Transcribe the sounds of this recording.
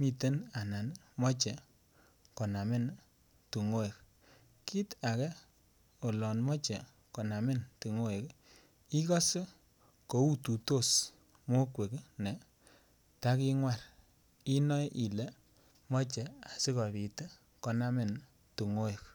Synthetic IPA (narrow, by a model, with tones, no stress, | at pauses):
mi˨te˦na˨na˨n | mɔ˦t͡ʃɛ˨ | kɔ˨na˨mɪ˦˨n | tu˨ŋo˦e˨k | ki˦ta˨kɛ˦ | o˨lɔ˨nmɔ˦t͡ʃɛ˨ | kɔ˨na˨mɪ˦ntu˨ŋo˦e˨k | i˦kɔ˦s | ko˨˦u˦tu˨to˦˨s | mo˦kwe˨kne˨ | ta˦ki˦ŋwa˦˨r | i˦nɔ˦ʔi˨le˦ | mɔ˦t͡ʃɛ˨a˨si˦kɔ˨bi˨te˦ | kɔ˨na˦mɪ˦˨n | tu˨ŋo˦e˨k